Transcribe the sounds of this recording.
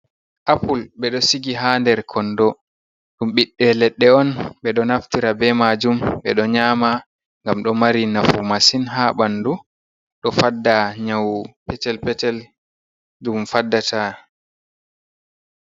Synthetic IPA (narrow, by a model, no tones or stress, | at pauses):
ʔapulɓɛɗɔsiɡiɦandɛɾkʰɔndɔ | ɗumɓiɗːɛlɛɗːɛɔnɓɛɗɔnaftiɾabɛmad͡ʒumɓɛɗɔɲaːma | ŋɡamɗɔmaɾinafumasinɦaɓandu | ɗɔfadːaɲawpɛtɛlpɛtɛl | dumfadːatʰa